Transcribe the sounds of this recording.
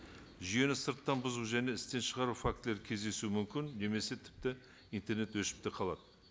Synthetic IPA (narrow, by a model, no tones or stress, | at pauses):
ʒʏje̞nɪsəɾt̪ːɑnbʊzuwʒæne̞ɪst̪e̞nʃəʁɑɾufak̚t̪le̞ɾkʲʰe̞zd̪e̞sumʏmkʲɪnːe̞me̞se̞t̪ʰɪ̥p̚t̪ɪ | ijnt̪e̞ɾne̞t̪wɵʃɪ̥p̚t̪ɪqʰɑlˠɑ̰d̪ə